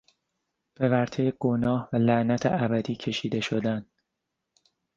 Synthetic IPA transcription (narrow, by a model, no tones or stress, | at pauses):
b̥e̞væɾt̪ʰejeɡ̥onɒːhvælæʔnæt̪ʰḛʔæbæd̪iːcʰe̞ʃiːd̪e̞ʃod̪æn